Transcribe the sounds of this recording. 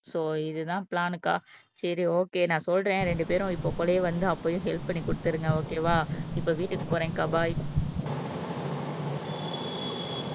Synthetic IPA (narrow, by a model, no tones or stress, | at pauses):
soːɪðɯt̪ãːplaːnɯkːa̰ːsɐɾioːkeːnãːsɔlɾẽːɾɛɳɖɯpeːɾʊ̃ɪpːoːpɔːlɐjeʋɐnd̪ɯɐpːɐːjʊ̃ɦɛlp̚pɐɳːikʊɽɯt̪ːɯɾɯŋɡɐoːkeːʋaːɪpːoːʋiːʈːɯkːɯkʊɾɛ̃ːŋkɐbaːj